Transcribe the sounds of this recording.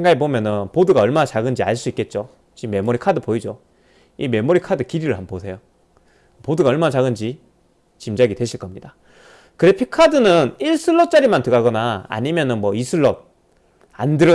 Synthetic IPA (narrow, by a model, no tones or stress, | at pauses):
eŋɡaɡip̬omjʌnɯnpoduɡaʌɭmanat͡ɕaɡɯnd͡ʑia̰ɭs͈uik͈e̞t̚t͡ɕ͈o | t͡ɕimːe̞moɾikʰadɯpoid͡ʑo | ime̞moɾikʰadɯkiɾiɾɯɭɦamposʰe̞jo | poduɡaʌɭmanat͡ɕaɡɯnd͡ʑi | t͡ɕimd͡ʑaɡidwe̞ɕʰiɭk͈ʌmɲida | kɯɾepʰikʰadɯnɯniɭsʰɯɭːʌt͡ɕ͈aɾimantɯɡaɡʌnaa̰ɲimjʌnɯnmʌisʰɯɭːʌt̚ | a̰ndɯɾʌ